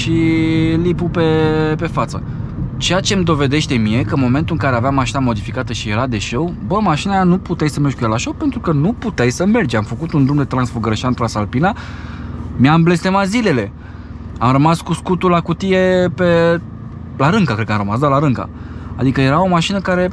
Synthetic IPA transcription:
ʃilipupe̞pe̞fat̪sə̰ | t͡ʃe̞jat͡ʃe̞md̪o̞ve̞d̪e̞ʃt̪e̞mie̞kəɨnmo̞me̞nt̪uɨŋkaɾe̞aveamaʃinamo̞d̪ifikat̪əʃije̞ɾad̪e̞ʃewbəmaʃinanuput̪ejsəmerd͡ʒʲkujealaʃowpe̞nt̪ɾukənuput̪ejsəme̞rd͡ʒamfəkut̪und̪ɾumd̪e̞t̪ɾansfuɡəɾəʃiant̪lasalpina | meamble̞st̪e̞mazile̞le̞ | amɾəmaskuskut̪ulakut̪ije̞pe̞ | laɾɨŋkakɾet̪kəamrəmas̬d̪alaɾɨŋka̰ | a̰d̪ikəje̞ɾao̞maʃinəkaɾe̞

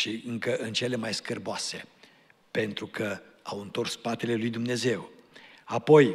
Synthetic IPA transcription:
ʃiɨŋkəʔɨnt͡ʃe̞le̞majskərboase̞ | pe̞nt̪ɾukʰəawɨnt̪o̞rspat̪e̞le̞lujd̪umne̞ze̞wapo̞j

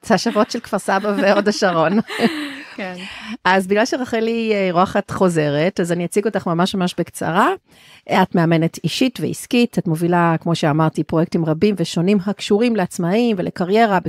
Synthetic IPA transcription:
t͡saʃavo̞tʃelkfaʁsabaveodaʃaʁo̞n | kʔazbiɡlalʃeʁaχeliʁuaχatχo̞ze̞ʁetazaniat͡siɡo̞taχmamaʃmamaʃbe̞kt͡sa̰ʁa | atmeame̞ne̞tiʃitvḛiskitatmo̞vilakmo̞ʃeamaʁtipʁojek̚timʁabimveʃo̞nimɦakʃuʁimleat͡smaimvelʔekaʁje̞ʁabe

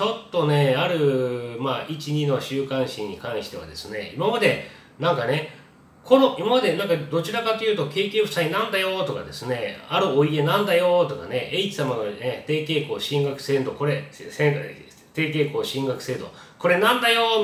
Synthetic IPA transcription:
t͡ɕo̞t̪ːo̞ne̞aɾɯ̟maːit͡ɕiɲ̟ino̞ɕɨːkãɰ̃ɕĩɲ̟ːikãɰ̃ɕi̥t̪e̞βa̰d̪e̞sɨne̞̰ḭmamad̪e̞ | nãŋkane̞ | kʰo̞no̞ʔimamad̪e̞nãŋkad̪o̞t͡ɕiɾakat̪ːojɯ̟ːt̪oke̞ːkʲeːɸsainãnd̪ajo̞t̪o̞ka̰d̪e̞sɨne̞aɾɯ̟o̞ie̞nãnd̪ajo̞t̪o̞ka̰ne̞eit͡ɕi̥samanoet̪e̞ːke̞ːko̞ːɕĩŋɡakɯ̟̥sẽ̞nd̪o̞ko̞ɾe̞sẽŋ | t̪e̞ːke̞ːko̞ːɕĩŋɡakɯ̟̥se̞ːd̪o̞ | ko̞ɾe̞nãnd̪ajo

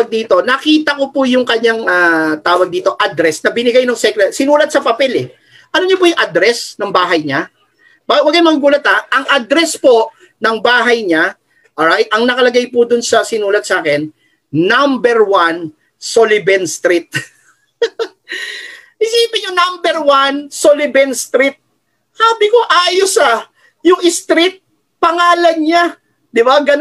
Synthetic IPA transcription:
ɐɡ̚d̪iːt̪o̞nɐkiːt̪ɐko̞pʊjʊŋkɐɲaŋat̪aːwɐɡ̚d̪iːt̪o̞ʔad̪ɾɛsnɐbɪnɪɡajnɐŋsɛkɾɛt̪sɪnuːlɐt̪̚sɐpɐpɛlɛ | ʔɐloɲopʊjʊŋʔɐd̪ɾɛsnɐŋbaːɦɐjɲa | bɐɡwɐɡajmɐŋɐɡuːlɐt̪ɐʔɐŋʔɐd̪ɾɛspo̞ʔ | nɐŋbaːɦɐjɲa | ʔoɹajt̪̚ʔɐŋnɐkɐlɐɡajpʊd̪ʊnsɐsɪnuːlɐt̪̚sʔaːkɛnː | ambɛɹwan | solɪbɛnst̪ɾɪt̪̚ | ʔɪsiːpɪɲonambɛɹwansolɪbɛnst̪ɾɪt̪̚ | saːbɪko̞ʔaːjosɐ | jʊŋʔɪst̪ɾɪt̪̚ | pɐŋaːlɐnɲa | d̪ɪbaɡɐn

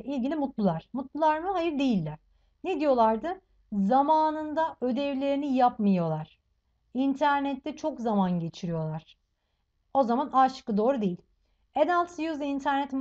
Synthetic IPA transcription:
ʔilʲɟilʲimut̪lˠulˠaɾ̥mut̪lˠulˠaɾmɯhajɯɾd̪e̞jilʲːæɾ̥ | ned̪ijo̞lˠaɾd̪ɯ | zamaːnɯnd̪aʔø̞d̪ɛvlʲe̞ɾinijapmajo̞lˠaɾ̥ | int̪ʰæɾnɛt̪ʰːɛt͡ʃʰo̞kzamanɟe̞t͡ʃʰiɾijo̞lˠaɾ̥ | o̞zamanaːʃɯ̥kɯd̪o̞ːɾud̪ejilʲ | enalˠt̪sjuzint̪ʰæɾnɛt̪m

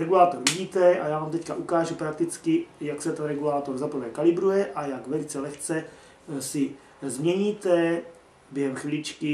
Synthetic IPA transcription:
ɾɛɡulaːt̪oɾviɟiːt̪ɛʔajaːvaːmt̪ɛcka̰ʔukaːʒupɾak̚t̪ɪt͡skɪjaksɛt̪ɛnɾɛɡulaːt̪oɾzaprvɛːkalɪbɾujɛʔajaɡvɛlɪt͡sɛlɛxt͡sɛ | sɪ | zmɲɛɲiːt̪ɛ | bjɛɦɛmxvɪlɪt͡ʃkɪ

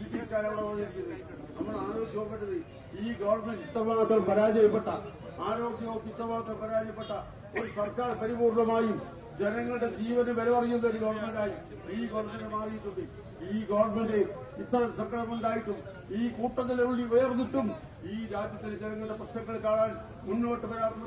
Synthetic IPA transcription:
it̪ːijɐskaːɾɐmɐɭɐɐðɐɾikʲːunːɨ | nɐmːɐɭaːɾo̞ːɡjɐmopːeɳʈːɐðɨ | iːɡɐʋɐrɳmeɳɖit̪ːɐmaːɡɐt̪ːɐlpɐɾaːd͡ʑɐjɐpːeʈːɐ | aːɾo̞ːɡjɐoːɡit̪ːɐmaːɡɐt̪ːɐlmpɐɾaːd͡ʑɐjɐpːeʈːɐ | o̞ɾusɐrkaːrpɐɾibuːrɳɐmaːjum | d͡ʑenɐŋːɐɭɨɽe̞d͡ʑiːʋɐnɨʋɐlɐʋɐrijːunːɐoɾuɡɐʋɐrɳmeɳɖaːjum | iːɡɐʋɐmendemaːrijit̪ːuðɨ | iːɡɐʋɐrme̞ɳɖe | it̪ːɐɾɐmsɐŋkɐɾɐmuɳɖaːjiʈːum | iːkuːʈːɐt̪̬ːileuɭːiʋeːɣɐðiʈːum | iːɾaːd̪jɐt̪ːild͡ʑenɐŋːɐɭɨɽe̞prɐɕnɐŋːɐɭkaːɭaːl | munːuɐʈːɨpɐɾaːrɐnː

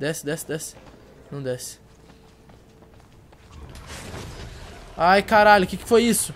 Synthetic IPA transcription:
d̪ɛsɪd̪ɛsɪd̪ɛsɪ̥ | nɐ̃w̃d̪ɛsɪ̥ | ajkaɾaʎʊkɪkɪ̥fojisʊ

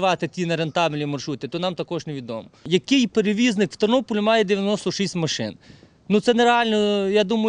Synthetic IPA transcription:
ʋɑt̪ɪt̪ʲinɐɾent̪ɑblʲnʲimɐrʃut̪ʲɪt̪ɔnɑmt̪ɐkɔʒneʋʲid̪ɔ̰mɔjɐkɪjpeɾeʋʲiznɪkʋ̥t̪ɐrnɔpʊlʲʊmɑjɛd̪ɪʋʲjɐnɔst̪ɔʃisʲmɐʃɪ̰n | nut̪sɛneɾeɑlʲnɔjad̪umɐj

